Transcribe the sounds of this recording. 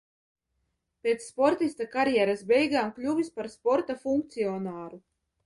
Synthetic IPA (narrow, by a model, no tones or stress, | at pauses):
pʲeːt̪sːpɔɾt̪ist̪akaɾjɛɾasbʲɛjɡaːmklʲuvʲispaɾspɔɾt̪afuŋk̚t̪siɔnaːɾu